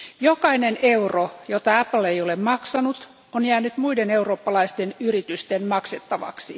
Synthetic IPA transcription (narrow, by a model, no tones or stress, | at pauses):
jokɑineneurojot̪ɑæpl̩ejolemmɑksɑnut̪ | onjæːnyt̪muideneuroːpːɑlɑist̪enyrit̪yst̪enmɑkset̪ːɑʋɑ̰ksi